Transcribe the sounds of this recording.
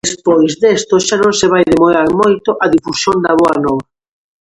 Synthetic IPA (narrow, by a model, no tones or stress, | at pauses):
espojzðest̪oʃanõŋseβ̞ajðemoɾaɾmojt̪oʔaðifusjond̪aβoanowɾ